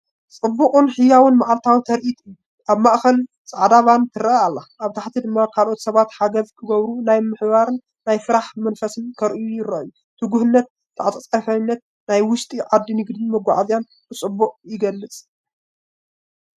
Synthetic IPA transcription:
t͡sʼɨbːuqʼɨnħɨjːawɨnmaʕalt̪ʰawɨt̪ʰɐɾʔit̪ʼɨju | ʔaβmaʔxɐn | t͡sʼaʕd̪aβant̪ʰɨɾɐaalːaʔaβt̪ʰaħt̪ʰid̪ɨmːakʰalʔo̞t̪sɐβat̪ħaɡɐzkʰɨɡɐβɾunajmɨħβaɾɨnːajfɨɾaħmɐnfɐsɨnkʰɐɾʔijujɪɾɐʔju | t̪ʰɨɡuhɨnːɐt̪̚ | t̪ʰːaʕt͡sʼɐt͡sʼɐfɐnːɐt̪̚ | najwʊʃt̪ʼiʕad̪ːinɨɡd̪ɨnmɨɡʷːa̰ʕazjan | bɨt͡sʼɨbːuqʼjɪɡɐlːɨt͡sʼ

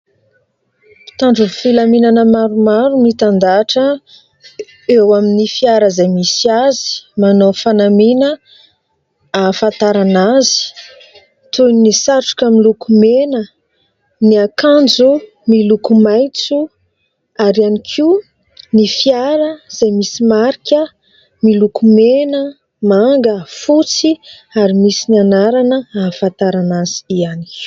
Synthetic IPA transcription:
pi̥t̪aɳɖ͡ʐufilaminanəmaɾumaɾunit̪and̪aʈ͡ʂə | ewaminifiaɾəzajmisiazi̥manofanaminə | afant̪aɾanazi̥ | t̪ujnnisaʈ͡ʂu̥kamilukumenə | niakand͡zu | milukumajt͡su | aɾianikʰi | nifiaɾəz̥ajmisimaɾikʲə | milukumenə | maŋɡəfut͡si | aɾimisinianaɾanəafãnt̪aɾanazi̥iani̥

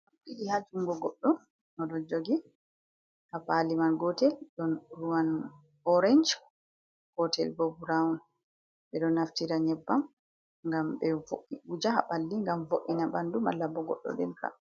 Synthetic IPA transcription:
ɓiɗihad͡ʒuŋɡɔɡɔɗːɔn | nɔɗɔd͡ʒoɡi | hafalimanɡɔtɛlɗɔnɾuwan | ɔɾɛɲd͡ʒ | hɔtʰɛlbobuɾaun | ɓɛɗɔnːaftiɾaɲɛbːam | ŋɡamɓɛvoʔːiʔud͡ʒaaɓalːiŋɡamvoʔːinabanduma̰lːabɔɡɔ̰ɗːɔ̰dɛ̰nka̰

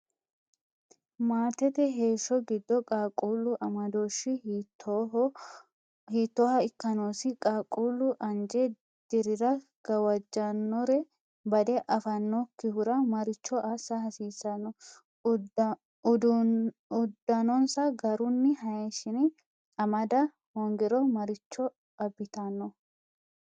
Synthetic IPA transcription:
maːt̪ɛt̪ɛɦeːʃːɔɡɪd̪ːɔkʼaːkʼuːlʊʔɐmɐd̪oːʃːɪtː | hiːt̪ːoːhɐɪkːɐnoːsɪkʼaːkʼuːlʊʔɐnd͡ʒɛ | d̪̥ɪɾɪɾɐɡ̥ɐwɐd͡ʒːɐnːɔɾɛ | bɐd̪ɛʔɐfɐnːokːɪhʊɾɐmɐɾɪt͡ʃːɔʔɐsɐhɐsiːsɐnːɔ | d | ʊd̪ːɐnɔnsɐɡɐɾʊnːɪɦɐjeːʃɪnɪ | ɐmɐd̪ɐ | hoŋɡɛɾɔmɐɾɪt͡ʃːɔ | ɐbːɪt̪ɐnːɔ

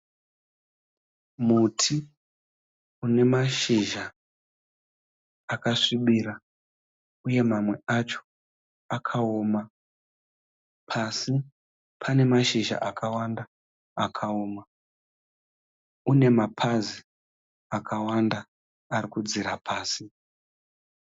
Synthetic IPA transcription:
mutʰi | une̞maʃiʒa | kaʂiɓiːɾa | uje̞mamwe̞at͡ʃo̥ | akʰaoma | pʰasi | pʰane̞maʃiʒa̰ʔakʰawanda | akʰao̞ːma | une̞mapʰazi | akʰawandaː | rikud͡ziɾapʰaːsi

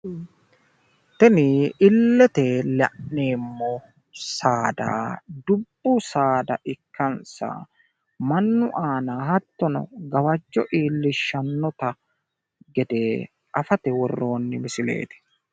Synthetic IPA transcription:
t̪ɛnɪɪlːɛt̪ɛlɐ̰ʔːeːmːɔ | saːd̪a̰ːd̪ʊbːʊsaːd̪ɐʔɪkʰːɐnsɐ̰ | mɐnːʊʔaːnahɐt̪ːɔnɔ̰ɡɐwɐd͡ʒːɔ̰ʔiːlːɪʃːɐnːɔt̪ɐ | ɡɛd̪eː | ʔɐfɐt̪ɛwɔrːo̞ːnːɪmɪsɪlḛːt̪ɪ̥

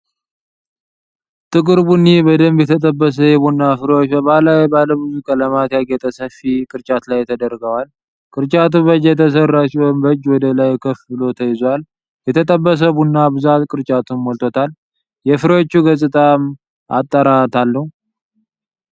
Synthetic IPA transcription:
t̪ʼɨkʼɨɾbunːibəd̪əmbjɛt̪ʰət̪ʼəbːəs̬əjɛbunːafɨɾwot͡ʃːbəβalajbaləbɨzukʼələmat̪jaɡɛt̪ʼəsəfikʼɨɾt͡ʃʼat̪lajt̪ʰəd̪əɾɡəwal | kʼɨɾt͡ʃʼat̪ubəd͡ʒɛt̪ʰəsərːat͡ʃːiwɔmbəd͡ʒːwɔd̪əlajkʰəfɨlo̞t̪ʰəjɪzwal | jɛt̪ʰət̪ʼəbːəs̬əbunːabɨzat̪kʼɨɾt͡ʃʼat̪ʰunmɔlt̪ʰot̪ʰal | jɛfɨɾot͡ʃːuɡəsʼɨt̪ʼam | at̪ʼːəɾat̪ʰalːəhu

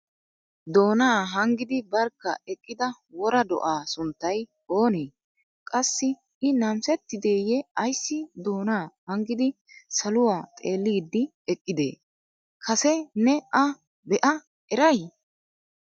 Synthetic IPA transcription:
d̪o̞ːnaːɦɐŋɡɪd̪ɪbɐɾkːɐ̰ɛkʼːɪd̪ɐ | wɔɾɐd̪ɔ̰ʔaːsʊnt̪ːɐj | o̞ːneː | kʼɐsːɪ | ɪnɐmsɛt̪ːɪd̪eːjɛɐjsːɪd̪o̞ːnaːhɐŋɡɪd̪ɪ | sɐlʊwaːt̪ʼeːlːiːd̪ːɪ | ɛkʼːɪd̪ḛː | kʰɐsɛnɛʔɐ | bɛʔɐ | ɛɾɐj

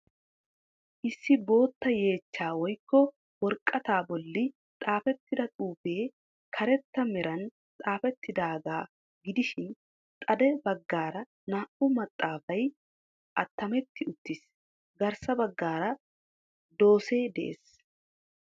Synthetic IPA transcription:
ʔɪsːɪbo̞ːt̪ːɐje̞ːt͡ʃːaːwɔjkːɔ | wɔɾkʼːɐt̪aːbɔlːɪ | t̪ʼaːfɛt̪ːɪd̪ɐt̪ʼuːfeː | kʰɐɾɛt̪ːɐmɛɾɐn | t̪ʼaːfɛt̪ːɪd̪aːɡaː | ɡɪd̪ɪʃɪn | t̪ʼɐd̪ɛbɐɡːaːɾɐ | naːʔʊmɐt̪ʼːaːfɐj | ʔɐt̪ːɐmɛt̪ːɪʊt̪ːɪs | ɡɐɾsɐbɐɡːaːɾɐ | d̪o̞ːse̞ːd̪ɛʔḛːs

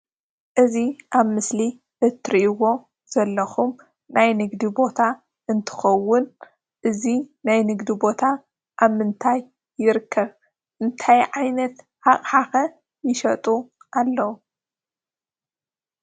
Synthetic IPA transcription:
ʔɨziʔaβmɨsli | ʔɨt̪ʰɾiʔwo̞ | z̥ɐlːɐxum | najnɨɡd̪ibo̞t̪ʰa | ɨnt̪ʰɨ̥xɐwːʊn | ʔɨzinajnɨɡd̪ibo̞t̪ʰa | ʔaβmɨnt̪ʰajː | ɪɾɨkʰːɐβ | ʔɨnt̪ʰajʕajnɐt̪ | haχʼħaxɐ | jɪʃɐt̪ʼu | ʔalːɐwu

